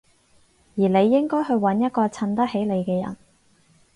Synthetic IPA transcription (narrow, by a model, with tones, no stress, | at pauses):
jiː˨˩le˨˧jːɪ˥ŋkɔː˥jɦɵ˧ɥwɐ˨˥njɐ˥t̚kɔː˧t͡sʰɐ˧nt̪ɐ˥k̚he˨˥jle˨˧jkɛː˧jɐ̰˨˩n